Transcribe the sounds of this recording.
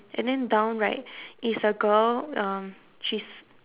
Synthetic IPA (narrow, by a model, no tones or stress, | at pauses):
ʔɛ̰̃ndɛ̃ndãʊ̃nɹaɪt̚isəɡəlʌ̃m | ʃis